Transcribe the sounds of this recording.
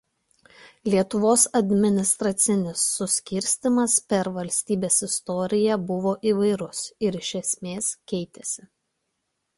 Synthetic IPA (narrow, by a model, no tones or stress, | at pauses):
lʲiɛt̪ʊʋoːsɐd̪ʲmʲɪnʲɪst̪ɾɐt̪sʲɪnʲɪsːʊsʲkʲɪɾʲsʲt̪ʲɪmɐspʲɛɾʋɐlʲsʲt̪ʲiːbʲeːsɪst̪ɔɾʲɪjɛbʊʋoːʔiːˑʋɐɪɾʊsɪɾɪʃʲɛsʲmʲeːskʲɛɪt̪ʲɛsʲɪ